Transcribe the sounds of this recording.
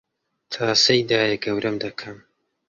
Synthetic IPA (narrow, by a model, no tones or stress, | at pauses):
t̪ʰaːsɐjd̪aːjɐɡɐwɾʔɐmd̪ɐkʰɐm